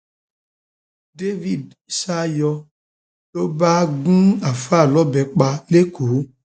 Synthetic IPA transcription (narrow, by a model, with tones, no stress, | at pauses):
de˦vi˨di˨sa˦jɔ˧ | lo˦ba˦ɡũ˦a˨fa˦˨lɔ˦bɛ˨k͡pa˧le˦kʰo˨˦